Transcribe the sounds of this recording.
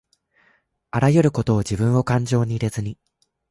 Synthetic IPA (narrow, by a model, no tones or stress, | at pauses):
aɾajɯ̟ɾɯ̟ko̞t̪o̞ːd͡ʑibɯ̟̃ɰ̃o̞kãɲd͡ʑo̞ːɲ̟iːɾe̞zɨɲ̟i